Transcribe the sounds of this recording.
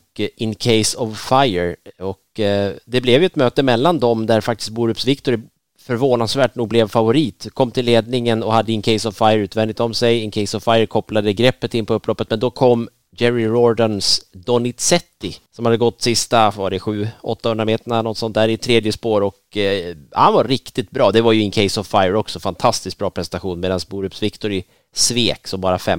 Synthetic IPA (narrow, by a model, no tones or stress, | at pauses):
ɪnkʰɛɪsɔvfajəɾɔkd̪ɛblɛvjʏɛt̪møːt̪əmɛlːand̪ɔmd̪æɾfak̚t̪ɪst̪̚buːɾʉpsvɪkt̪ʊɾ | fœɾvoːnasvæːʈ̚nuːɡ̚blɛvfavʊɾiːt̪kʰɔmːt̪ʰɪlleːd̪̚nɪŋənɔhad̪ːəɪnkʰɛɪsɔvfajəɾʉːt̪vɛnd̪ɪt̪ɔmsɛjɪnkʰɛjsɔvfajəɾkʰɔplad̪əɡɾɛpːət̪ɪnːpʰɔɵpːlɔpːət̪̚mɛnd̪ɔkʰɔmː | d͡ʒɛɾɪɾɔɖənsd̪ɔnɪt̪sɛt̪ːɪsɔmhad̪ːəɡɔt̪ːsɪst̪avaɖɛɧʉ̟ːɔ̰t̪ːahɵnd̪ɾameːt̪əɳalnɔt̪sɔnt̪dæːɾɪt̪ʰɾeːd̪jəspoːɾɔk | hanvaɾɪkt̪ɪt̪̚bɾɑːd̪ɛvaɾjɵɪŋkʰɛjsɔvfajəɾɔksɔfant̪ʰast̪ɪsk̚bɾɑːpʰɾɛsɛnt̪aɧuːnmeːd̪ansbuːɾʉpsvɪkt̪ʊɾɪ | sveːksɔmbɑːɾafɛm